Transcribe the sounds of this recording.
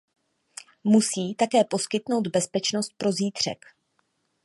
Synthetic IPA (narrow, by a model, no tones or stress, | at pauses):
musiːt̪akɛːpo̞skɪt̪no̞wd̪bɛspɛt͡ʃno̞st̪̚pɾo̞ziːt̪r̝̥ɛ̰k